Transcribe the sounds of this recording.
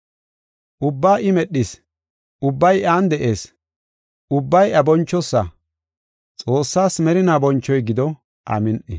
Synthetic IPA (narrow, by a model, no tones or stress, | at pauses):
ʔʊbːaːʔɪmɛɗːɪs | ʊbːɐjʔaːnd̪ɛʔe̞ːs | ʊbːɐjɐbɔnt͡ʃːɔsːɐ | t͡sʼo̞ːsːaːsmɛɾɪnaːbɔnt͡ʃːɔjɡɪd̪ɔ | ʔa̰mɪnʔɪ̰